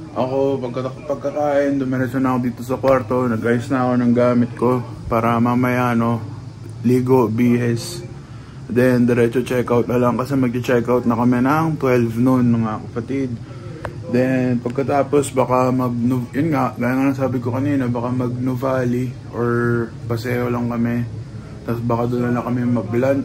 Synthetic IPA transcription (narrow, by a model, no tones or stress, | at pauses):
ʔɐko̞pɐɡ̚kɐpɐɡ̚kɐkaːʔɪnd̪ʊmɐɾɛsonɐɐkod̪iːt̪o̞sɐkwaɾt̪o̞nɐɡʔɐjʊsnɐɐko̞nɐŋɡaːmɪt̪̚ko̞ | paːɾɐmamɐjaʔno̞ | liːɡo̞biːhɛs | d̪ɛnd̪ɛɾɛːt͡ʃot͡ʃɛkawt̪̚nɐlɐŋkɐsɛmɐɡ̚kɪt͡ʃɛkawt̪̚nɐkɐmɛnɐŋt̪wɛlvnonːʊŋakɐpɐt̪id̪̚ | d̪ɛnpɐɡ̚kɐt̪aːpo̞sbakamɐɡ̚nʊjʊnŋaʔɡaːjanɐnɐŋsaːbɪkokɐniːnobɐkamɐɡ̚nʊvaːliʔoɹpɐsɛːho̞lɐŋkɐmɛ | t̪asbakad̪onɐnlɐkɐmɛmɐɡ̚blant̪